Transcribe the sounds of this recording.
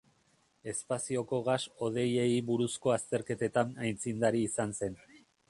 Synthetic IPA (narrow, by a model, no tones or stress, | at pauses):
e̞spasio̞ko̞ɣaso̞ð̞e̞je̞iβuɾusko̞ast̪e̞ɾke̞t̪e̞t̪anajnt͡sind̪aɾiːsanse̞n